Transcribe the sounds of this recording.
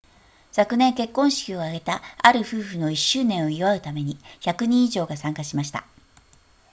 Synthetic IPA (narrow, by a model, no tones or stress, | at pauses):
sakɯ̟nẽ̞ŋke̞kːõ̞ɰ̃ɕi̥kʲio̞aɡe̞t̪aaɾɯ̟ɸɯ̟ːɸɯno̞iɕːɨːnẽ̞ɰ̃o̞iβaɯ̟t̪ame̞ɲ̟içakɯ̟ɲ̟ĩiʑo̞ːɡasãŋkaɕimaɕi̥t̪a̰